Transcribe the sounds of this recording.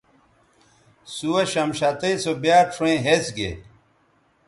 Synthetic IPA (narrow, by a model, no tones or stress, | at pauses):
suwɐɕɐmɕat̪ejsobjaːʈ͡ʂʰuẽɦesɡḛ